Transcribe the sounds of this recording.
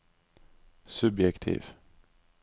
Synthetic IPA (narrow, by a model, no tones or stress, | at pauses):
sɵbjɛkt̪ʰḭːv